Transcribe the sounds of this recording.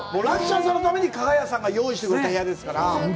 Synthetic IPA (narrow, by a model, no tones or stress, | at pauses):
moːɾakɯ̥ɕas̬ãnːot̪ame̞ɲ̟ikaɡajasãŋɡajo̞ːiɕ̬i̥t̪e̞kɯ̟ɾe̞t̪aɦe̞jad̪e̞sɨ̥kaɾa